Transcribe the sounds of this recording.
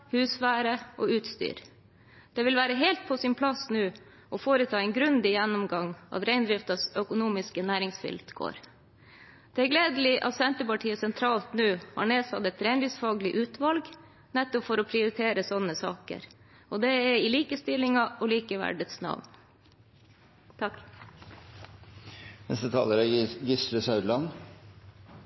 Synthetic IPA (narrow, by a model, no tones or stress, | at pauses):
hʉːsʋæːɾəʔɔʉːt̪st̪y̰ːɾ | d̪̥ɛʋɪlʋæːɾəɦɛːlt̪̚pʰɔsɪnpʰlɑsnʉː | ʔɔfoːɾət̪ʰɑːɛɪnɡɾʉnd̪ɪjɛnːʊmɡɑŋɑ̰t̪ɾæɪnd̪ɾɪft̪ɑsœkʊnuːmɪskənæːɾɪŋsfʏ̰lt̪ɡ̥o̰ːɾ | d̪̥ɛæɾɡleːd̪əlɪʔɑ̰t̪sɛnt̪əpɑʈʰiːəsɛnt̪ʰɾɑːlt̪nʉːhɑ̰ːɳeːsɑ̰t̪ɛt̪ɾɛɪnd̪ɾɪsfɑːɡlɪʔʉːt̪ʋɑlɡ | nɛt̪ːɔpfɔɾɔpʰɾɪʊɾɪt̪ʰeːɾəsɔnːəsɑ̰ːkə̰ɾ | ɔd̪ɛɛɪliːkəst̪ɪlɪŋɑɔliːkəʋæ̰ɖət̪snɑ̰ʋn | t̪ʰɑk | nɛ̰st̪ət̪ʰɑ̰ːləɾɛɡɪsɾəsɑʉd̪lɑn